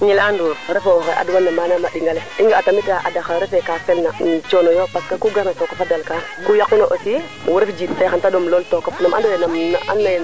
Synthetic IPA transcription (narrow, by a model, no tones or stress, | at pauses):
ɲilanduɾɾɛfoxɛʔa̰dwanːamanamaɗiŋɡalɛiŋɡaatamiɡaʔadaxaɾɛfɛkafɛlnant͡ʃonojopaskakuɡaɾnatokafadalkakujakːunoʔosi | mwuɾifd͡ʒitaxantadomloltokɔfnamʔandowenamna̰ʔa̰nːaj